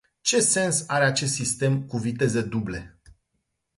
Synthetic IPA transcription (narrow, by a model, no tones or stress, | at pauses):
t͡ʃe̞se̞nsaɾeat͡ʃe̞s̬t̪sist̪e̞mkuvit̪e̞zed̪uble̞